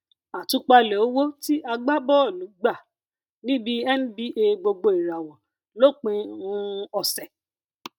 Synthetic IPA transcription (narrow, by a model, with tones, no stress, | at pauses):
a˨tũ˨˦k͡pa˧lɛ˨o˦wo˦ti˦ʔa˧ɡ͡ba˦bɔ˦˨lu˨˦ɡ͡ba˦˨ | nĩ˦bi˦ɛ˦ñ̩˦bi˦ʔe˧ɡ͡bo˧ɡ͡bo˧i˨ɾa˨wɔ̃˨ | lo˦˨k͡pĩ˧˦ũ˦ɔ˨sɛ˨